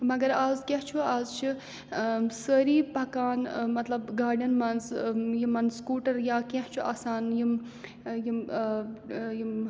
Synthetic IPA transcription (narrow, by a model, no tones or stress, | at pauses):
mɐɡɐɾaːzkɐɦt͡ʃʰuaːzt͡ʃʰi | səːɾiːpɐkaːnmɐt̪lɐbɡaːɾɖɐnmɐnzjimɐnskuːʈɐɾjaːkɐht͡ʃʰuaːsaːnjim | jim | jim